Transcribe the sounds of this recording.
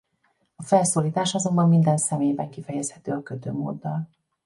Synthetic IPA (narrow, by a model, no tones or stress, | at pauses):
ɒfɛlsoːliːt̪aːʃɒzo̞mbɒmːind̪ɛnsɛmeːjbɛŋkifɛjɛshɛt̪øːɒkøt̪ø̰ːmo̰ːd̪ːɒl